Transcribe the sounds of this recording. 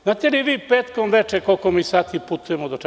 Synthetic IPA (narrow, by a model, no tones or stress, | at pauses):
zaːt̪eliʋiːpeːt̪komʋet͡ʃekolkomiːsaːt̪iput̪ujemod̪ot͡ʃ